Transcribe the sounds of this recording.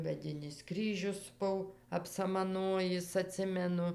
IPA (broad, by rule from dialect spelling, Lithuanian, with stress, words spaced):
mʲɛˈdʲɪnʲɪs ˈkrʲiːʒʲʊs ˈbʊw ɐpsɐmɐˈnoːjɪs ɐˈtʲsʲɪmʲɛnʊ